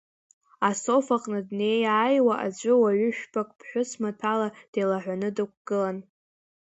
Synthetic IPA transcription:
aso̞faqʼnɨdne̞jaːjwaʔa̰d͡ʒʷʼʊwaɥʊʃᶣbakʼpʰħᶣʷʊsmatʰalad̥ejlaħᶣʷanɨdɨk̚ʷʰʼɡ̥ɨlan

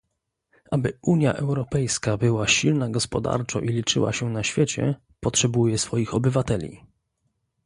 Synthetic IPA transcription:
ʔabɘʔuɲja̰ʔɛwɾɔpɛjskabɘwaɕilnaɡɔspɔd̪a̰ɾt͡ʂɔ̰̃ʔilʲit͡ʂɘ̰wa̰ɕɛnaɕfʲjet͡ɕɛ̰ | pɔtʂɛbujɛsfɔjixɔbɘvat̪ɛlʲḭ

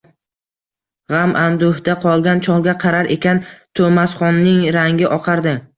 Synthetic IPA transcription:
ʁamʔand̪ʊhd̪aqʰɒlˠɡʲant͡ʃʰɒŋˠɡʲaqʰɑɾaɾʔe̞kʲant̪ʰomasχɒnːɪŋɾaŋɡʲɪʔɒqʰɑɾd̪ɪ

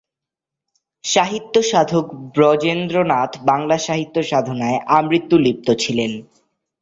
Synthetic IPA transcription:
ʃaɦit̪ːoʃad̪ʱokbɾɔd͡ʑend̪ɾonat̪baŋlaʃaɦit̪ːoʃad̪ʱonaeʔamɾit̪ːulip̚t̪ot͡ɕʰilen

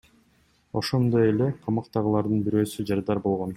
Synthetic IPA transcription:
o̞ʃo̞nd̪o̞je̞le̞qʰɑmɑqt̪ɑʁɯlˠɑɾd̪ɯnbiɾøːsyd͡ʒɑɾd̪ɑɾbo̞lˠʁo̞n

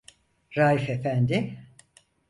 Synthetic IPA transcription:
ɾaːifefænd̪ɪ

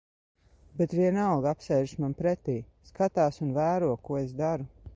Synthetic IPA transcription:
bet̪vʲiɛnalɡapsɛjʒsmanpɾet̪iː | skat̪aːsunvæːɾuɔkuɔesd̪aɾu

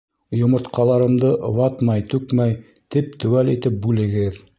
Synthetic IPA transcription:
jŏmŏɾt̪qʰɑlˠɑɾɤ̆md̪ɤʔβɑt̪mɑjt̪ʉkmæj | t̪ip̚t̪ʉwælit̪ɘp̚bʉlɘ̆ɡɘð

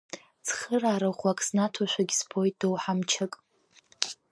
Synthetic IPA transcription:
t͡sʰχəraːɾaʁʷakʼsnatʰaʃʷᶣaɡʲsbʰo̞jtʼdowħamt͡ʃʰakʼ

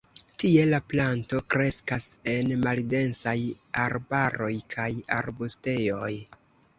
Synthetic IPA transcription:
tie̞laplanto̞kɾe̞skase̞nmalde̞nsaj | aɾbaɾo̞jkʰaja̰ɾbuste̞jo̞j

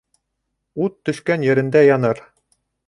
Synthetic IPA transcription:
ut̪ːɵ̆ʃkænjɘ̆ɾɘ̆nd̪æjɑnɤɾ

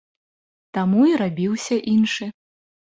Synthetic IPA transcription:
t̪amuiɾabʲiwsʲɐʔinʂɨ

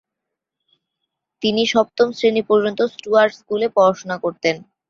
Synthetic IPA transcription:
t̪iniʃɔp̚t̪omsɾenipoɾd͡ʑont̪osʈuaɾɖskulepɔɾaʃonakoɾt̪en

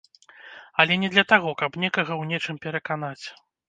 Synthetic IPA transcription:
ɐlʲɛnʲɛd̪lʲɐt̪aɣɔkɐpnʲɛkɐɣɐwnʲɛt͡ʂɨmpʲɛɾɐkanat͡sʲ

